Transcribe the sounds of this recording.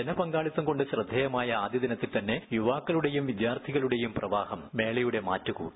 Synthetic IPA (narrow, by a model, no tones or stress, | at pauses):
enɐpɐŋɡaːɭit̪ːɐmko̞ɳɖɨɕrɨd̪ʱːɐjɐmaːjɐaːd̪ʱjɐd̪ɐnɐt̪ːilt̪ɐnːe̞juʋaːkːɐɭuɽe̞jumʋid̪jaːrt̪ʰiɣɐɭuɽe̞jumprɐʋaːhɐmːe̞ːɭɐjuɽe̞ma̰ːtːukṵː